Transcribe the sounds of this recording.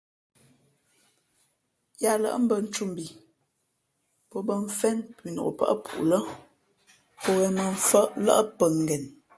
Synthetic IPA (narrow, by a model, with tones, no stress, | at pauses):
ja˦lə̰˦ʔm̩˦bə˨n̩˦t͡ʃu˦˨m˨bi˨ | pə˦bə˦ɱ̩˦fɛ˦npi˨no̰˨ʔo̰˨pə̰˦ʔə̰˦pṵ˨ʔlə˦ | po˦ɣɛ˨mə˨ɱ̩˦fə˦ʔlə̰˦ə˦pə˨ŋ˨ɡɛ˨n